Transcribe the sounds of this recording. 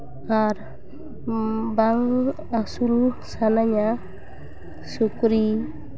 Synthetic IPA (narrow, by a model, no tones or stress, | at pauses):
aɾ | baŋ | asulsanaɲa | sukɾi